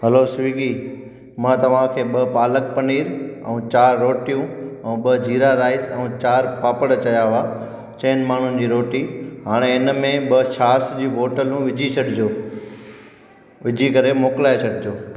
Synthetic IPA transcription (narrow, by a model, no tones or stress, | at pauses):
ɦɐloːsʋiːɡi | mãːt̪ɐʋ̤ãkʰeːɓɐpaːləkpɐniːɾɛ̰ũt͡ɕaːɾːoːʈijũɛ̃ːɓɐd͡ʑʱiːɾaɾaːɪsɛ̃ũt͡ɕaːɾpaːpəɽt͡ɕɐjaʋaː | t͡ɕẽːnmaːɳ̤ʊnɪ̆d͡ʑiːɾoːʈiːɦaːɽ̃eɪnmẽɓɐʃaːsd͡ʑiːʋoːʈəlũʋɪd͡ʑʱit͡ɕʰɐɗɪd͡ʑoː | ʋɪd͡ʑʱikɐɾemoːklaːet͡ɕʰɐɖɪd͡ʑoː